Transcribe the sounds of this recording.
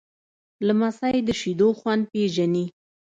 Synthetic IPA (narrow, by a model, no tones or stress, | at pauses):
lamasajed̪əʃid̪oxwand̪̚peʒani